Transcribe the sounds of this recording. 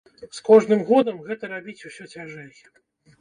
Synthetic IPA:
skɔʐnɨmɣɔd̪ɐmɣɛt̪ɐɾabʲit͡sʲusʲɔt͡sʲaʐɛjʲɛ̥

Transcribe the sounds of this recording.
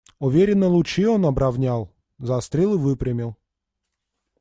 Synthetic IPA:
ʊvʲeɾʲɪnːəlˠʊt͡ɕionɐbɾavnʲalˠ | zast̪ɾʲilˠɨvɨpɾʲɪmʲɪlˠ

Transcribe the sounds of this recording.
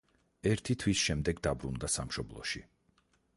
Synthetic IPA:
ɛɾt̪ʰit̪ʰwisʃɛmd̪ɛɡd̪abɾund̪asa̰mʃɔblˠɔ̰ʃi

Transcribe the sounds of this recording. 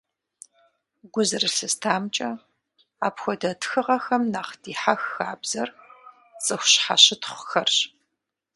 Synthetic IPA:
ɡʷʊzɨrɨɬɨstʰaːmt͡ʃʼɐ | aːpxʷɔdɐtʰxɨʁɐxɐmnaːχd̥iːħaxːaːbz̥ɐr | t͡sʼɨxʷɕħa̰ɕɪtχʷʊxɐrɕ

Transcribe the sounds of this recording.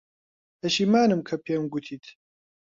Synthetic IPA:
ɐʃiːmaːnɨmkʰɐpʰeːmɡut̪ʰiːt̪ʰ

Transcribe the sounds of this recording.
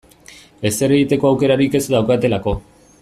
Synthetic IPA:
e̞se̞ɾe̞ɣit̪e̞ko̞awke̞ɾaɾike̞sd̪awkat̪e̞lako̞

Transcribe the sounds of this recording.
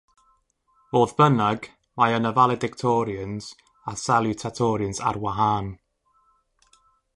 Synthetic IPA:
voːðbənaɡ | majənəvalˠɛdɪktʰɔːɾiəns | asalˠutʰatʰɔːɾjənsa̰rwaɦaːn

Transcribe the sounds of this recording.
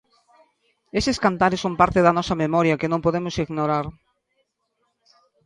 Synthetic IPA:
eseskant̪aɾɪsːompaɾt̪ɪðɐnɔsɐmemɔɾjɐkɪnõmpoðemʊsiɣnoɾaɾ

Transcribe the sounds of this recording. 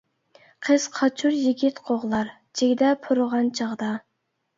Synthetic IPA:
qʰəz̥qʰɑt͡ʃʰuɾjiɡʲit̪qʰoʁlˠɑɾ | t͡ʃʰeɡʲd̪ɛpʰuɾʁɑnt͡ʃʰɑʁd̪ɑ

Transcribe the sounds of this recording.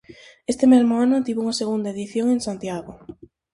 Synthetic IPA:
est̪emezmoanʊt̪iβouŋaseɣund̪aeðiθjoŋẽnsant̪jaɣo

